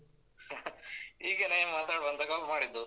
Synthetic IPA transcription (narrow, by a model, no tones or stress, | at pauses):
iːɡenajemaːt̪aːɽbɐnd̪ɐkaːlmaːɽid̪ːu